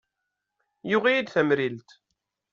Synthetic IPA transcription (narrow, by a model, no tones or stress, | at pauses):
jʊʁijid̪θæmɾilt̪